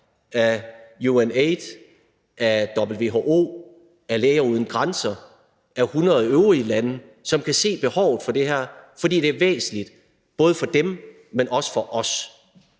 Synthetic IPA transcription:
æjueneɪd̥ | ʔæd̥ɒ̽b̥l̩ʋe̝̰ːɦo̝ʔo̝̰ː | æɐleːɪɐuð̞ˠn̩ɡ̥ʁansɐ | ʔæhunʁɐðˠøʊʁilæn | sɒ̽mkʰæse̝̰ːb̥e̝hɒʊð̞̩ˠfɒ̽d̥e̝ɦæɐ̰fɒ̽d̥ḭːd̥e̝æɐʋḛːsn̩lid̥ | b̥ɔ̽ːð̞ˠəfɒ̽d̥em | menʔɒ̽sə̥fɒ̽ʔɒ̽s

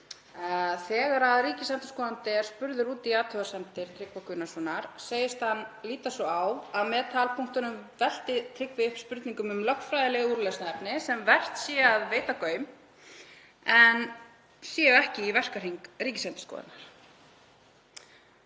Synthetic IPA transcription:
θɛːɣaɾaðriːcɪsɛm̥t̪ɪ̥skɔːðant̪ɪɛɾ̥spʏɾðʏɾuːt̪iaːt̪ʰœɣasɛmt̪ɪɾ̥t̪ʰɾɪkvakʰʏnasɔnaɾ̥seːjɪst̪hanːliːt̪asvɔawaðmɛːt̪ʰaːlpʰuŋkt̪ʏnʏmvɛl̥t̪ɪt̪ʰɾɪkvɪʏhpspʏɾt̪niŋkʏmʏmlœhnfɾajðɪlɪɣuːɾlesnaɛpnɪsɛmvɛr̥t̪sjɛːaðveːjt̪akœːɥm | ɛn | sjɛɛhcɪivɛr̥kaɾ̥iŋkriːcɪ̥sɛm̥t̪ɪ̥skɔ̰ːðɪ̰t̪naɾ̥

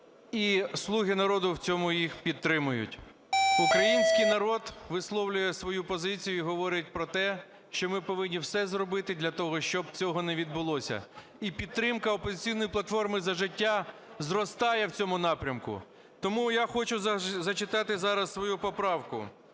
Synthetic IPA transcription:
islˠuɦɪnɐɾɔd̪ʊwt͡sʲɔmʊjixpʲid̪t̪ːɾɪmʊjʊ̰tʲ | ukɾɐjinʲsʲkɪjnɐɾɔd̪ʋɪslˠɔwlʲʊjɛsʋɔjupɔzɪt͡sʲijʊiɦɔʋɔɾʲɪt̚ʲpɾɔt̪ɛ | ʃt͡ʃɔmɪpɔʋɪnʲːiwsɛzrɔbɪt̪ɪd̪lʲɐt̪ɔɦɔʃt͡ʃɔb̚t͡sʲɔɦɔnɛʋʲid̪̚bʊlˠɔsʲɐ̰ | ipʲid̪ɾɪmkɐɔpɔzʲɪt͡sʲijnɔjiplˠɐt̪fɔrmɪzɐʒɪtʲːazrɔst̪ɑjɛwt͡sʲɔmʊnɑpɾʲɐmkʊ̰ | t̪ɔmujaxɔt͡ʃʊzɐt͡ʃɪt̪ɑt̪ɪzɑɾɐssʋɔjupɔpɾɑwkʊ̰

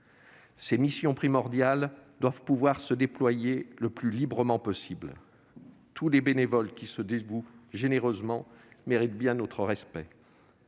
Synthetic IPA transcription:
semisjɔ̃pχimɔʁd̪jald̪wavpuvwaʁsəd̪eplwajeləplylibʁəmɑ̃pɔsibl | t̪ʰulebenevɔlkʲisəd̪eɡuʒeneʁøzmɑ̃meʁit̪̚bjɛ̃not̪χəʁɛspɛ

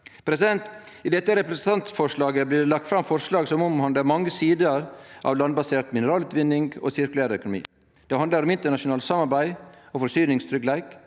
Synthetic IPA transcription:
pʰɾɛsɪd̪ɛnt̪ | ɪd̪ɛt̪ːəɾɛpɾɛsənt̪ʰɑnt̪sfɔʂɭɑːɡəblɪːɖɛlɑk̚t̪fɾɑmfɔʂɭɑːɡsɔmɔmhɑnd̪əmɑŋːəsiːd̪əɾʔɑ̰ʋlɑnbɑseːt̪mɪnəɾɑːlʉːt̪ʋɪnːɪŋɡo̰ːsɪɾkʉlæːɾəœkʊnʊmḭː | d̪̥ɛhɑnd̪əɾɔmɪnt̪əɳɑʂʊnɑːlsɑmɑɾbæɪɔfɔsyːnɪŋst̪ʰɾʏklæɪk

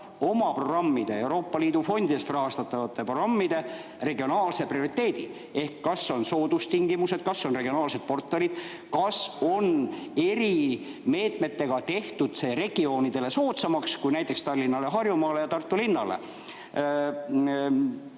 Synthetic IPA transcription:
o̞mɑpro̞ɡ̥rɑmːid̪̥e̞e̞wɾo̞ːpːɑliːd̪̥ufo̞nʲd̪id̪est̪rɑɦɑst̪ɑt̪ːˑɑvɑt̪ːˑepro̞ɡrɑmːid̪̥e̞ | re̞ɡio̞nɑːlse̞prio̞ɾit̪ːˑe̞ːd̪̥i | e̞hkːɑsːo̞nso̞ːd̪ust̪iŋɡimuse̞d̪̥̚kɑsːo̞nre̞ɡ̥io̞nɑːlse̞d̪̥̚po̞rt̪ːelid̪̥ | kɑso̞ne̞ɾi | me̞ːt̪me̞t̪ːe̞ɡ̥ɑt̪e̞ht̪ud̪̥se̞ːɾe̞ɡ̥io̞ːnid̪̥e̞le̞so̞ːt̪sɑmɑkskujnæjt̪ːˑe̞kst̪ɑrlʲːinːɑle̞ɦɑrjumɑːle̞jɑt̪ɑrt̪ːulinːɑlḛ

